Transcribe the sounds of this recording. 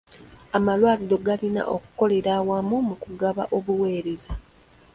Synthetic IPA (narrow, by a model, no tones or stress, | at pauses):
amalwaːliɾo̞ɡalina̰ʔoku̥ko̞le̞ɾaːwamumukuɡaβa̰ʔo̞βuwe̞ːɾe̞za